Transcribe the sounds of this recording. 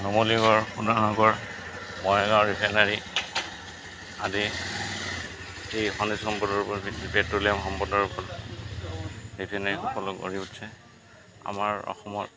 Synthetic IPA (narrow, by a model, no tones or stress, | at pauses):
nɔmoliɡɔɹxudanɔɡɔɹ | mɔjɛɡaɔɹipʰɛnaɹi | adi | ejxɔnisxɔmpɔdɔɹpɔpɛtːuliamxɔmpɔdɔɹupɔ | ɹipʰɛnaɹixɔkɔlɔko̰ɹiutsɛ | a̰maɹɔ̰xɔmɔɹ